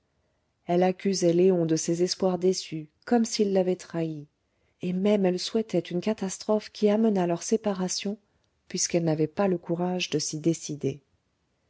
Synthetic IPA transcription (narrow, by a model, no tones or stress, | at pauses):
ɛlakʲyzɛleɔ̃d̪əsezɛspwaʁd̪esykɔmsilːavɛt̪χai | emɛmɛlswɛt̪ɛt̪ynkat̪ast̪χɔfkʲʰiamənalœʁsepaʁasjɔ̃ | pɥiskɛlnavɛpaləkuʁaʒd̪əsid̪esid̪e